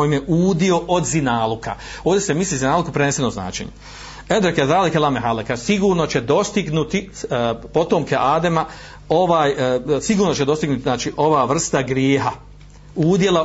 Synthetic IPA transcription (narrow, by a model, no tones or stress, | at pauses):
ojimjeʔuːd̪io̞ʔod̪zinaːlˠukʰa̰ | o̞ːʋd̪ʲesemislizinaːlˠukupɾenesenomzna̰ːt͡ʃḛɲu | ed̪ɾekezaːlikelameɦalekasiɡuːɾno̞t͡ɕed̪o̞st̪iɡnut̪ipo̞t̪o̞mkeʔaːd̪ema | o̞ʋaːjsiɡuːɾno̞t͡ɕed̪o̞st̪iɡnut̪iznaːt͡ʃiʔo̞ʋaːʋr̩st̪aɡɾjeːɦa | uːd̪je̞lˠa